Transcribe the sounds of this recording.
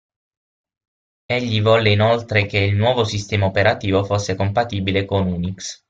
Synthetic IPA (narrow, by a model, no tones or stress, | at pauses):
eʎːivɔlːeinolt̪ɾekeilnwɔːvosist̪ɛːmaopeɾat̪iːvofosːekompat̪iːbilekonuniks